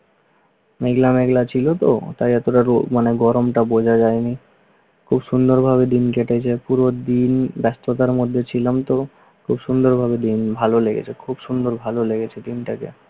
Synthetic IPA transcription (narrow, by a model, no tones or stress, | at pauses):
meɡlameɡlat͡ɕʰilot̪o̰t̪ajɛt̪oʈaɾmaneɡɔɾomʈabod͡ʑʱad͡ʑaeni | kʰubʃund̪oɾbʱaβed̪inkeʈet͡ɕʰepuɾod̪inbɛst̪ot̪aɾmod̪ʱːet͡ɕʰilamt̪o | kʰubʃund̪oɾbʱabed̪inbʱaloleɡḛt͡ɕʰekʰubʃund̪oɾbʱaloleɡet͡ɕʰed̪inʈakḛ